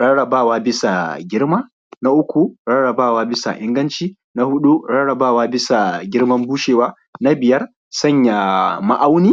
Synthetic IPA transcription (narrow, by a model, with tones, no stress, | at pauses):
ɽɐ˦ɽɐ˨baː˦˨waː˦bɪ˦sa˨ɡʲɪ˦rmaː˦ | na˦ʔʊ˦kʷu˨ɽɐ˦ɽɐ˨baː˦˨waː˦bɪ˦sa̰˨ʔɪ˦ŋɡɐ˦nt͡ʃiː˦ | na˦hʊ˦ɗu˦ɽɐ˦ɽɐ˨baː˦˨waː˦bɪ˦sa˨ɡʲɪ˦rmɐ˦mbuː˦ʃeː˨waː˦ | na˦bɪ˨jɐ˦r | sɐ˦˨ɲja˨ma˦ʔa˦wniː˦